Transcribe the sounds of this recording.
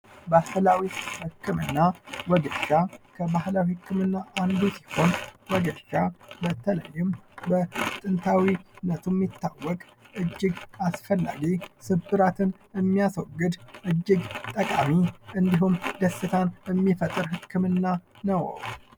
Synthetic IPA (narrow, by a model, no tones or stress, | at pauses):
bahɨlawihɨkʰːɨmɨ̰nːawɔɡəʃakʰəbahlawihɨkʰːɨmɨnːaʔand̪usi̥ho̞nwɔɡəʃabət̪ʰələ̰jːɪmbət̪ʼɨnt̪ʰawinət̪ʰumːit̪ːawːɔkʼ | ʔɨd͡ʒːɪɡasfəlːa̰ɡisɨbɨɾat̪ʰɨn | ɨmːijaswɔɡːɨd̪ʔɨd͡ʒːɪɡt̪ʼəkʼamiʔɨnd̪iɦumd̪əsːɨt̪ʰanəmːifət̪ʼːɨɾɦɨkʰːɨmɨnːa | nəwə̰w